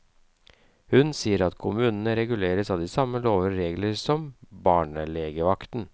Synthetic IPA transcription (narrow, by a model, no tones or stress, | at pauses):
hʉnsiːəɾɑt̪kʰʊmʉːnən̩əɾɛɡʉleːɾəsɑʋd̪ɪsɑmːəloːʋəɾeːɡləɾsɔmbɑːɳəleːɡəʋɑkt̪n